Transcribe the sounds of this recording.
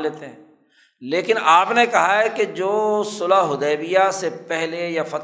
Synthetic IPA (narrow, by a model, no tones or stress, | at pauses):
leːt̪eɦɛ̃ː | leːkɪnaːpnekɐɦaɦɛked͡ʒoːsʊlaɦʊd̪ɛːbijasepɛɦlejafɐt̪